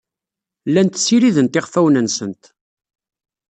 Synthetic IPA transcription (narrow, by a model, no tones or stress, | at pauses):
lːænt̪siɾiðənt̪ɪʁfæwnənsənt̪